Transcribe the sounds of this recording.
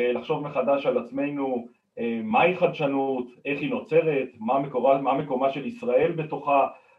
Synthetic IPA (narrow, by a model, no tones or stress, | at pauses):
laχʃo̞vmeχad̪aʃalat͡sme̞jnu | emaiχad̪ʃanut̪e̞χino̞t͡se̞ʁe̞t̪mamekoamame̞ko̞maʃe̞lisʁae̞lbe̞to̞χa